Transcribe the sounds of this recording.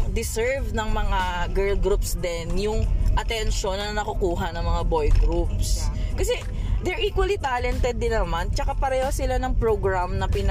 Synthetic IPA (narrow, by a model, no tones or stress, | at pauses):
d̪ɪsɛɹvnɐŋmɐŋaɡɛɹlɡɾupsd̪ɛnjʊŋʔɐt̪ɛnʃonːɐɐnɐkʊkuːɦɐnɐŋmɐŋabo̞jɡɾup̚skɐsɛ | d̪ɛɹʔiːkwɐlit̪aːlɛnt̪ɛd̪̚ːɪnːɐmant͡ʃɐkapɐɾɛːhosɪlanɐŋpɹoɡɹamnɐpɪn